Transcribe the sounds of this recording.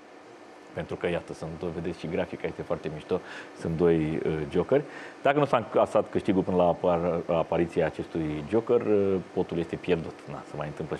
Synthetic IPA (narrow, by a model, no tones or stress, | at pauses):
pe̞nt̪ɾukəjat̪əsunt̪̚d̪ove̞d̪esʲʃiɡɾafikajest̪efoart̪e̞miʃt̪osunt̪̚d̪o̞jəd͡ʒo̞kərʲd̪akənusaŋast̪at̪kɨʃt̪iɡupɨnəlaaːpaɾit̪siaːt͡ʃe̞st̪ujd͡ʒo̞kərpo̞t̪ulje̞st̪e̞pje̞rd̪ut̪na̰səmajɨnt̪ɨmplə